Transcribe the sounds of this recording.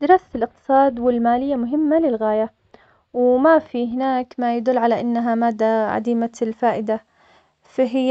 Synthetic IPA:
d̪ɪɾˤɑːsat̪ɪlʔɪq̚t̪ɨ̥sˤɑːd̪wɪlmaːlɪjːamʊɦɪmːalɪlɣaːja | wmafiɦɪnaːkmajad̪ʊlːʕalaʔɪnːaɦamaːd̪ːaʕa̰d̪iːmalfaːʔɪd̪a | fiɦɪjː

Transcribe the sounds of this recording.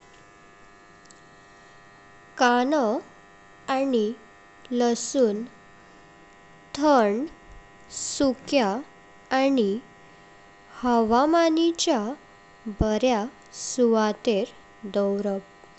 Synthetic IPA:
kanə | ani | ləsuːn | t̪ʰəɳ | sukjaː | ni | həʋamanit͡ɕja | bəɾja | suʋat̪eɾ | d̪əwɾəp

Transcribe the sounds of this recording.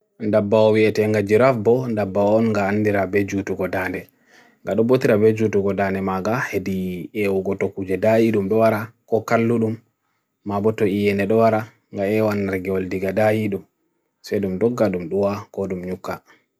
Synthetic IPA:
ndabːaɔwiɛtɛŋɡad͡ʒiɾafbɔndabːaɔːnŋɡaːndiɾabɛd͡ʒutuɡɔdandɛ | ŋɡaɗɔbotiɾabɛd͡ʒutuɡɔdandɛmaɡahediewuɡɔtokːud͡ʒɛdajiɗumbɛwaɾakɔkalːuɗumː | abɔtɔijɛnɛɗɔwaɾa | ŋɡaɛwanːaɾɡɛwɔldiɡadajiɗum | sɛɗumdɔɡːaɗumɗuwakɔɗumɲukːa

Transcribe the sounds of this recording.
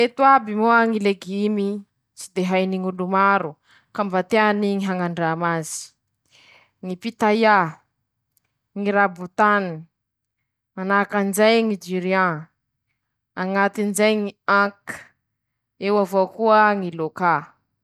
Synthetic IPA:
et̪uabimoaŋileɡimi | t͡sid̪eɦajniŋulumaɾu | kambat̪eaniŋiɦaŋaɳɖ͡ʐamazi̥ | ŋipit̪aja | ŋiɾabut̪ani | anakanzajŋid͡ʒiɾiã | aŋat̪inzajŋiãkə̥ | ewavokuəŋiloka

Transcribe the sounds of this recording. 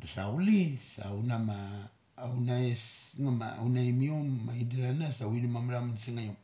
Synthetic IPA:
dosaulisa̰wnamaː | wnaesŋama̰wnaimiomːaidiɾanasawilimamlamansiŋajom

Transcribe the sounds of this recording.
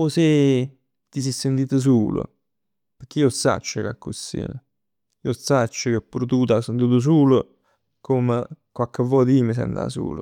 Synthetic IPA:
ose | t̪ːisisːent̪iːt̪əs̬uːlʊ̰ | pəɾk̟ːiosa̰t͡ʃːəka̰kːusḭnə | iosat͡ʃːəkepːuɾut̪uːt̪asent̪uːt̪̬ʊs̬uːlʊ | kʰoməkwakːəvːɔːt̪iːmis̬ɛ̰nt̪a̰sṵːlʊ̰

